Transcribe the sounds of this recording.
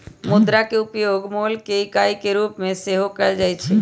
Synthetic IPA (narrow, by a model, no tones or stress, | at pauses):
mʊd̪ɾakeʊpjoɡmolkeikaikeɾuːpmẽseɦokəɭd͡ʒajt͡ʃʰe